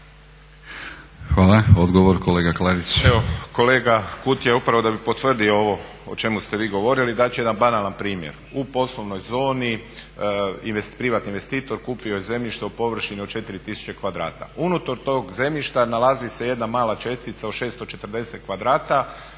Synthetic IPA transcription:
xʋaːlaod̪ɡoʋoɾkoleɡaklaɾit͡ɕeʋoko̞le̞ːɡakut̪jeupɾaʋo̞d̪abipo̞t̪ʋr̩d̪iooʋo̞ | ot͡ʃe̞must̪e̞ʋiːɡo̞ʋo̞ɾilid̪at͡ɕeje̞d̪anbanalanpɾiːmjḛɾ | upo̞slˠo̞ʋno̞jzo̞ːni | iepɾiʋat̪ninʋe̞st̪iːt̪o̞ɾkuːpio̞jeze̞mʎiʃt̪eupo̞ʋr̩ʃiniot͡ʃe̞t̪iɾit̪isu̥t͡ɕe̞kʋad̪ɾa̰ːt̪a̰unut̪oɾt̪o̞ːɡze̞mʎiʃt̪analˠazise̞je̞d̪namaːlat͡ʃe̞st̪it̪saoʃe̞ːst̪ot͡ʃe̞t̪r̩d̪e̞se̞t̪̚kʋad̪ɾaːt̪a

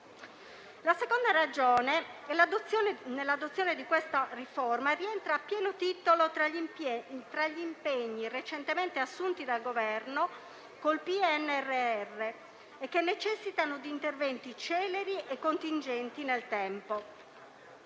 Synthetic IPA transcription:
lasekond̪aɾad͡ʒoːneɛlad̪ot̪sjoːnnelːad̪ot̪sːjoːned̪ikwest̪ariformariɛnt̪ɾaːpːjɛːnot̪it̪olot̪ɾa | t̪ɾaʎːiːmpeɲːiret͡ʃent̪ement̪easːunt̪id̪alɡovɛrno | kolpiɛnːɛrːeɛrːe | ekːenːet͡ʃɛsːit̪anod̪iːnt̪ervɛnt̪it͡ʃɛːleɾiʔekːont̪ind͡ʒɛnt̪inelt̪ɛmpo

